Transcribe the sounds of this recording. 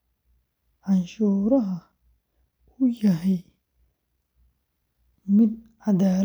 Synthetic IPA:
ʕɑnʃuːɾɐɦɐ | ʊjɐɦɛj | mɪd̪̚ʕad̪aːɾ

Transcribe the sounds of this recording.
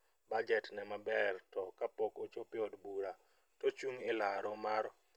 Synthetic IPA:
bad͡ʒɛtnɛmabɛrtɔkapɔkot͡ʃopɪɔdbuɾa | tot͡ʃuŋɪlaɾɔmaɾɔ

